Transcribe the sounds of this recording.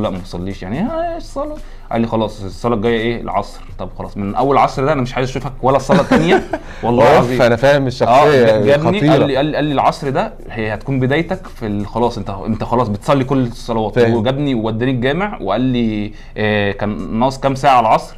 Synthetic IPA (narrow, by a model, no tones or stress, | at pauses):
læʔmæsˤɑlːiːʃjaʕnihæʃsˤɑlɑ | ʔæ̰lːixɑlɑːsˤesˤːɑlɑɡæjːæʔeːḛlʕɑ̰sˤɾt̪ˤɑbxɑlɑːsˤmenʔæwːælʕɑsˤɾd̪æʔænæmeʃʕaːjezæʃuːfækwælːæsˤɑlːɑt̪ːænjæ | wɑlˤːɑːɑzˤiːænæfæːhemeʃːɑʔsæːejːɡæɡæniʔæːiʔælːiʔælːilʕɑsˤɾd̪æ | hhæt̪kuːmbed̪æːjt̪ækfilxɑlɑːsˤʔent̪æʔent̪æxɑlɑːsˤbet̪sˤɑlːikolːsˤːɑlɑwɑːt̪ːweɡæbniwewæd̪ːæːnik̚ɡæːmeʕweʔælːi | ʔækænːɑːʔsˤkæmsæːʕaʕalʕɑsˤɾ